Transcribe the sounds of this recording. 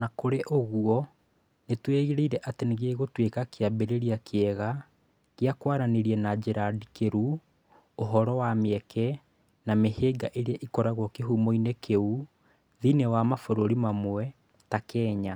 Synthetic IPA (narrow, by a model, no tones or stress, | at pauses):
nakoɾeʔoɣuɔ | netweɣeɾeiɾɛʔateneɣeːɣotwekakeabeɾeɾiakʰeɛɣa | ɣeakwaɾaneɾiɛnad͡ʑeɾadikeɾu | oɦɔɾɔwameɛkʰɛ | nameheːɡaʔeɾeaʔikɔɾaɣwɔkeɦumoinekeu | ðinewamafoɾoɾimamwɛ | takɛːɲa